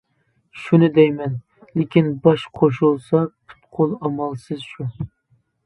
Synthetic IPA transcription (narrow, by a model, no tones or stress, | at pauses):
ʃunɪd̪ɛjmɛn | lekʲinbɑʃqʰoʃ̬ulˠsɑpʰʊ̥t̪qʰolˠɑmɑlˠsɨzʃu